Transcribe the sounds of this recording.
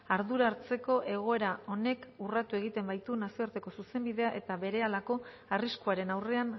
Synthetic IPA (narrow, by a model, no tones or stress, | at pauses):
aɾðuɾaɾt͡se̞ko̞ʔe̞ɣ̞o̞e̞ɾao̞ne̞kurat̪ue̞ɣit̪e̞mbajt̪unasio̞aɾt̪e̞ko̞suse̞mbiðe̞aʔe̞t̪aβe̞ɾe̞alako̞ | ariskuaɾe̞nawre̞aŋ